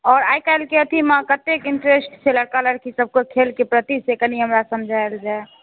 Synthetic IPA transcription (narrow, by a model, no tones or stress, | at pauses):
ɔːɾaːjkaɪlkeət̪ʰimə̃kət̪ekɪɳʈɾesʈsʰeləɽkaləɾkisəb̚kokʰelkepɾət̪isekəniɦəmɾasəmd͡ʒʱaeld͡ʒae